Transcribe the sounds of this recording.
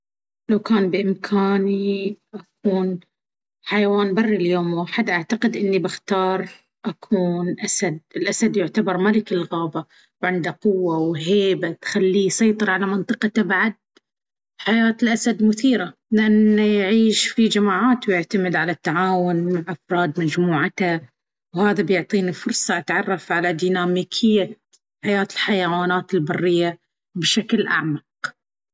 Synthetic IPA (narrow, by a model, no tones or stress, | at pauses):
lawkaːnbɪʔɪmkʰaːniʔak̚uːn | ħajawaːnbɑrːiljoːmaːħad̪ʔaʕt̪aqɪd̪ʔɪnːibɪxt̪ɑːɾˤ | ʔakʰuːnʔasad̪̚ɪlʔasad̪jʊʕt̪abɑɾˤmalɪkɪlɣaːba | wʕɪnd̪aqʊwːawɦeːbat̪xalːijsɑjt̪ˤɨɾˤʕalamɪnt̪ˤɨqɑt̪abaʕad̪̚ | ħajaːt̪ɪlʔasad̪mʊθiːɾalɪʔanːajʕiːʃfid͡ʒamaːʕaːt̪wjɪʕt̪amɪd̪ʕalat̪ːaʕaːwʊnmaʕʔafɾˤɑːd̪mad͡ʒmuːʕat̪a | whaːðabjʊʕt̪ˤiːnifʊɾsˤɑʔat̪ʕɑrˤːɑfʕalad̪iːnaːmiːkʰɪjːa | ħajaːt̪ɪlħajawaːnaːt̪ɪlbɑrːɪjːa | bʃaklʔa̰ʕmɑq